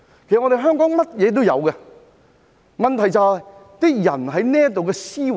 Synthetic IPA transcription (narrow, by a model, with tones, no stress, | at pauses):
kʰe˨˩˨ŋɔ˧ɾe˨jɦœː˥ŋkɔː˨˥ŋmɐ˥t̚jɛː˨˧t̪o˥wjɐ̰˨˧wkɛ˧ | mɐ˨nt̪ʰɐ˨˩jt͡saː˨˧t̪ɪ˥k̚jɐ˨˩nɦɐ˨˥jnɛː˥k̚t̪o˨wkɛ˧siː˥